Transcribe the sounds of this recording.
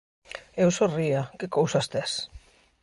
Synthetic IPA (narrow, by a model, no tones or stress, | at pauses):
ewsoriakɪkowsast̪es